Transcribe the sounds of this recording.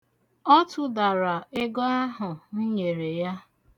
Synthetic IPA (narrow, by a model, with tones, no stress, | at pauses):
ɔ˦tʊ˦da˨ɾa˨e˦ɡɔ˦a˦ɦʊ˨n̩˦ɲe˨ɾe˨ja˦